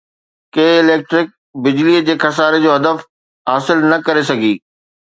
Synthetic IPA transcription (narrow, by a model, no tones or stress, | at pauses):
keːɪleːk̚ʈɾɪk̚ | bɪd͡ʑliəd͡ʑeːkʰɐs̬aːɾed͡ʑoːɦɐd̪əf | ɦaːsɪlnɐkɐɾesɐɡʱiː